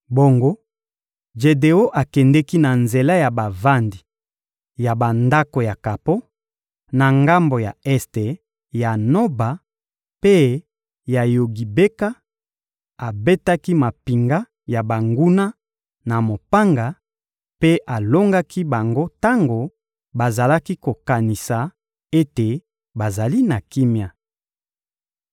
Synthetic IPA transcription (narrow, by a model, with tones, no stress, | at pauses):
bo˨ŋɡo˦ | ʒe˨de˨o˦ʔa˨kɛ˨ndɛ˦ki˦na˨nze˨la˦ja˨ba˨va˦ndi˨ | ja˨ba˨nda˦ko˨ja˨ka˨po˦ | na˨ŋɡa˦mbo˨ja̰˨ɛ˦ste˨ | ja˨no˦ba˨ | pe˦ | ja˨jo˨ɡi˨be˦ka˦ | a˨be˦ta˦ki˦ma˨pi˨ŋɡa˦ | ja˨ba˨ŋɡu˦na˦ | na˨mo˨pa˦ŋɡa˨ | pe˦ʔa˨lo˦ŋɡa˦kʰi˦ba˨ŋɡo˦ta˦ŋɡo˨ | ba˨za˨la˦ki˦ko˨ka˨ni˨sa˨ | e˦te˨ | ba˨za˨li˦na˨ki˦mja˨